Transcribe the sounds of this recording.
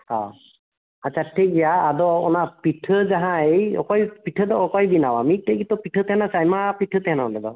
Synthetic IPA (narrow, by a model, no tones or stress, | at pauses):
ha | at͡ʃʰatʰiɡijaːdɔɔnapitʰɯzaɦãeɔ̰kɔjpitʰɯdɔɔkɔjbinawamitejɡit̪ɔpitʰɯt̪ɛhɛnasajmapitʰɯt̪ɛɦɛnãlɛdɔ̰